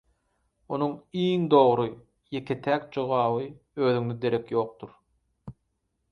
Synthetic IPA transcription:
onuŋiːŋd̪o̞ʁɾɯ | je̞kʰet̪ʰæːk̚d͡ʒo̞ʁɑːβɯ | øːðyŋd̪ed̪e̞ɾekjo̞ːq̚d̪uɾ

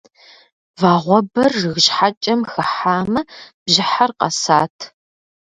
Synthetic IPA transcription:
vaːʁʷɔbɐrːɨɣɕħat͡ʃʼɐmxɨħaːmɐb̥ʑɪħarqɐ̰saːtʰ

